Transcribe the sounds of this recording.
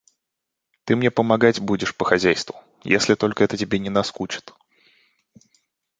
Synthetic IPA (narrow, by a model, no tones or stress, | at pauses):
t̪ɨmnʲepəmɐɡatʲbudʲɪʂpəxɐzʲæjst̪vʊ | jḛsʲlʲɪt̪o̞lʲkəɛt̪ətʲɪbʲenʲɪnɐskut͡ɕɪ̥t̪